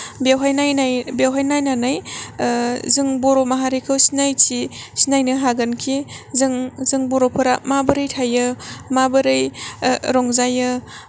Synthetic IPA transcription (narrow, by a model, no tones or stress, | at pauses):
bewɦajnajnajbewɦajnajnanaj | zɯŋboɾomaɦaɾikʰɯwsinajtʰisinajnɯɦaɡɐnkʰizɯŋzɯŋboɾopʰɯɾamabɐɾɯjtʰajɯmabɯɾɯjɾɔŋzajɯ